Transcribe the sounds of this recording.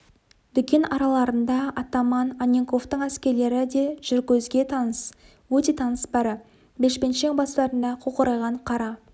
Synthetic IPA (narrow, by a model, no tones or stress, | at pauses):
d̪ʏkʲe̞nʔɑɾɑlˠɑɾənd̪ɑɑt̪ɑmɑnɑnʲeŋko̞ft̪əɴæskʲe̞ɾle̞ɾɪd̪e̞ʒ̥ʏɾɡʲɵzɡʲe̞t̪ʰɑnəs | wɵt̪e̞t̪ʰɑnəsbɑɾə | beʃpe̞nʃe̞ŋbɑst̪ɑɾənd̪ɑqʰoqəɾɑjʁɑɴqʰɑɾɑ